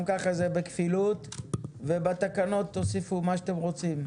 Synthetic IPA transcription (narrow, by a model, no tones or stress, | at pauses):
mkaχazebekfilut̪vebat̪akano̞t̪ːo̞sifumaʃat̪emʁo̞t͡sim